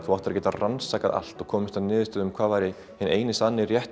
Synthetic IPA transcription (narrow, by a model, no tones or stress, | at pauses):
θuwaht̪ɪɾcɛːt̪aransakaða̰l̥t̪ɔɣkʰɔːmɪst̪aðnɪːðɪst̪œːðʏmkʰv̥aːðvajɾɪ | hɪneːjnɪsanːɪrjɛht̪